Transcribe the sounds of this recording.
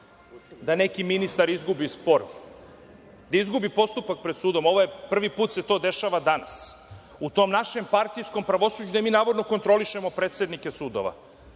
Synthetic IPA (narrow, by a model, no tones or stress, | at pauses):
d̪ane̞kiminist̪aɾizɡubispoɾ | d̪aizɡubipo̞st̪upak̚pɾed̪suːd̪o̞mo̞ʋojepr̩ʋipuːt̪se̞t̪o̞ːd̪e̞ʃaʋad̪ana̰s | ut̪o̞mnaʃe̞mpaɾt̪ijsko̞mpɾaʋo̞suːd͡ʑud̪amiːnaːʋo̞d̪no̞ko̞nt̪ɾo̞liʃe̞mo̞pɾet̪se̞d̪nike̞suːd̪o̰ʋa̰